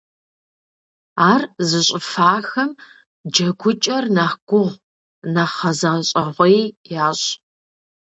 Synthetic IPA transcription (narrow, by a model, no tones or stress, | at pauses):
aːrzɨɕʼɪfaːxɐm | d͡ʒɐɡʷʰʊt͡ʃʼɐrnaħɡ̥ʷʊʁ | nɐχɐzɐɕʼɐʁʷijjaːɕʼ